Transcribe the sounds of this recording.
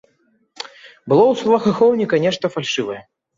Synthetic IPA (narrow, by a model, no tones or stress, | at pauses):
bɨlˠɔwsulˠɐxaxɔwnʲikɐnʲɛʂt̪ɐfalʲʂɨvɐjɛ